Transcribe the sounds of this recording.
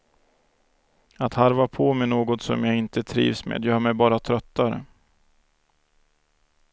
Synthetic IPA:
at̪haɾvapʰomɛnoːɡɔt̪sɔ̰mjɑːɡɪnt̪ət̪ʰɾḭːvsmḛːd̪jœːmɛjbɑːɾat̪ʰɾœt̪ːaɾə̰

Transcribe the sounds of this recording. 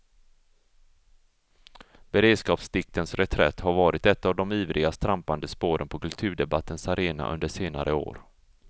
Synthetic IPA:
b̥ɛɾeːd̪skɑːpsd̪ɪk̚t̪ʰənsɾɛt̪ʰɾɛ̰t̪ːhaɾvɑːɾɪt̪ɛt̪ːavd̪ɔmiːvɾɪɡast̪ɾampand̪əspoːɾənpʰɔkʰɵlt̪ʰʉ̟ːɖɛbat̪ʰːənsaɾeːna̰ʔɵ̰nd̪əʂeːna̰ɾʔəo̰ːɾ

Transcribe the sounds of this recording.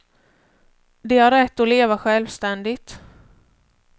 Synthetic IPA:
d̪ɛhaɾːɛt̪ːɔleːvaɧɛlvst̪ɛnd̪ɪt̪

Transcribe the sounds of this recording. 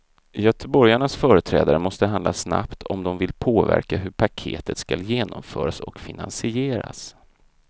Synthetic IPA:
jœt̪ʰəbɔɾjaɳasfœːɾət̪ʰɾɛːd̪aɾəmɔst̪əɦand̪lasna̰pt̪ʰɔmd̪ɔmvɪlpʰoːvæ̰ɾkaɦɵɾpʰakʰḛːt̪ʰət̪skaljeːnɔmfœːɾasɔ̰kfɪna̰nsɪeːɾa̰s

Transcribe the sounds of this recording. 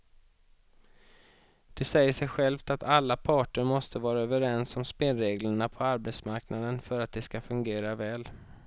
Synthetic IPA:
d̪̥ɛsɛjːəʂɛjɧɛlft̪at̪ʰalːapʰɑːʈəɾmɔst̪əvɑːɾaøːvəɾɛnsɔmspeːlɾeːɡləɳapʰɔaɾbɛt̪smaɾknad̪ənfœɾat̪̚d̪ɛskafɵŋɡeːɾavɛːl

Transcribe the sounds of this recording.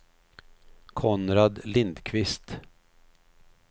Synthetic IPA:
kʰɔnɾad̪lɪnd̪kʰvɪst̪

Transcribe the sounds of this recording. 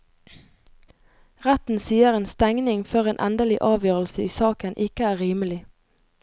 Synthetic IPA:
ʁæt̪n̩siːəʁeːnst̪ɛŋnɪŋføʁeːnʔɛ̰nd̪əlɪʔɑːʋjøːʁəlsəiːsɑːkənʔɪkəæːʁiːməlɪ

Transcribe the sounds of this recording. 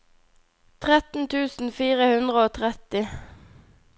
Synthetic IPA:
t̪ʰʁɛt̪n̩t̪ʰʉːsn̩fiːʁəhʉnd̪ʁəoːt̪ʰʁɛt̪ɪ

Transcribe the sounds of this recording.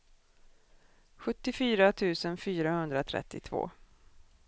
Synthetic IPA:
ɧɵt̪ːɪfyːɾat̪ʰʉ̟ːsənfyːɾahɵnd̪ɾat̪ʰɾɛ̰t̪ːɪt̪ʰv̥o̰ː

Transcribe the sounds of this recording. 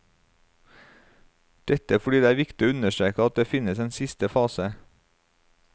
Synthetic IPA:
d̪̥ɛt̪əæfɔɖiːd̪eːæːɾʋɪkt̪ɪoːʉnəʃtɾeːkəɑt̪̚d̪eːfɪnəseːnsɪst̪əfɑːsə

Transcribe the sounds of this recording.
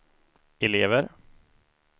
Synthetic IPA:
ɛleːvəɾ

